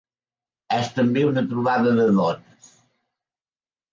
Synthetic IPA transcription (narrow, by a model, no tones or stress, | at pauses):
ɛst̪əmbeunət̪ɾuβaðəðəðɔnəs